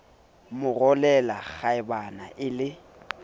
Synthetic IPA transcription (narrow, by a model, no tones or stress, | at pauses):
mʊrɔlɛlaɣaɪbana̰ʔɪlɪ